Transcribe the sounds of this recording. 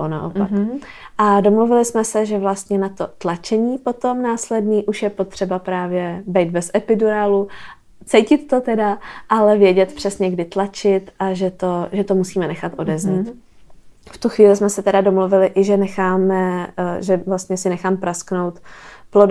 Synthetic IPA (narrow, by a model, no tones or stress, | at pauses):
ona̰ʔo̰paʔado̞mluvɪlɪsmɛsɛʒɛvlast̪ɲɛnat̪ot̪lat͡ʃɛɲiːpo̞t̪o̞mnaːslɛdniːʔuʃjɛpo̞t̪r̝̥ɛbapɾaːvjɛbɛjt̪bɛsʔɛpɪduɾaːlu | t͡sɛjcɪt̪ːo̞t̪ɛdaʔalɛvjɛɟɛt̪pr̝̥ɛsɲɛɡdɪt̪lat͡ʃɪt̪ʔaʒɛt̪oʒɛt̪omusiːmɛnɛxat̪ʔo̞dɛzɲit̪ | ft̪uxviːlɪsmɛsɛt̪ɛdado̞mluvɪlɪʔɪʒɛnɛxaːmɛʒɛvlast̪ɲɛsɪnɛxaːmpɾasknowt̪plod